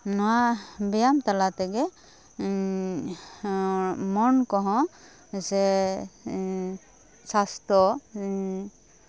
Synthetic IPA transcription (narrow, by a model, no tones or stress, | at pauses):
nɔwabɛjamt̪alat̪ɛɡɛ | mɔnkɔɦɔ̃ | sɛ | sast̪ɔ